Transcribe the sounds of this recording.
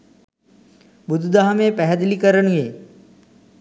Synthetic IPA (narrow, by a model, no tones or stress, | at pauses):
bʊd̪d̪aɦmẽpɛɦd̪likəɾəɳɦueː